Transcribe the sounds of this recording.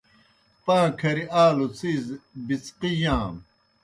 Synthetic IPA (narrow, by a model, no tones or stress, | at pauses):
pãːkʰɐɾiaːlut͡siːzbit͡sqijãːm